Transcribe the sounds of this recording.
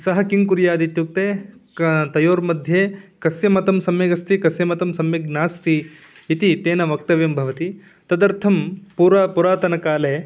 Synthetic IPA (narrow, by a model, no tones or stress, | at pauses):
sɐɦɐkiŋkuɾjaːd̪it̪juk̚t̪eː | t̪ɐjoːɾmɐd̪ʱjeːkɐsjɐmɐt̪ɐmsɐmjeɡɐst̪ikɐsjɐmɐt̪ɐmsɐmjeɡnaːst̪iː | t̪it̪eːnɐʋɐk̚t̪ɐʋjɐmbʱɐʋɐt̪i | t̪ɐd̪ɐɾt̪ʰɐmpuːɾaːpuɾaːt̪ɐnɐkaːleː